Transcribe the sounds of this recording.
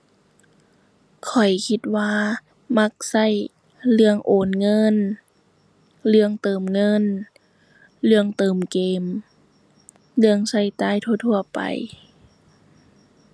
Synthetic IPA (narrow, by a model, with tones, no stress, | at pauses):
kʰɔ˨˩jkʰi˧˥t̪̚waː˧ | ma˧˥k̚sa˧˩j | lɯ˧əŋʔoː˨˩nŋɤ˧˥˨n | lɯ˧əŋt̪ɤː˨˩mŋɤ˧˥˨n | lɯ˧əŋt̪ɤː˨mkeː˨˩m | lɯ˧əŋsa˧˩jt̪aː˧˥˨jt̪ʰu˧˩t̪ʰu˧˩ɐpa̰˨˩j